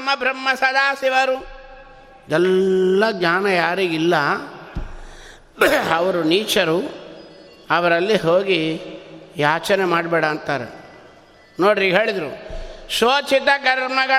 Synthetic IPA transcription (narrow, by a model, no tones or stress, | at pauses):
ɐmɐbɾɐmːɐsɐd̪aːsiʋɐɾu | id̪ɛlːɐɡɲaːnɐjaːɾiɡilːɐ | ɐʋɐɾuniːt͡ʃɐɾu | ɐʋɐɾɐlːiɦoːɡi | jaːt͡ʃɐnemaːɽbɛːɽɐːnt̪aːɾḛ | noːɽɾiɡɦe̞ːɭid̪ɾuʃoːt͡ʃit̪ɐɡɐɾmɐɡɐ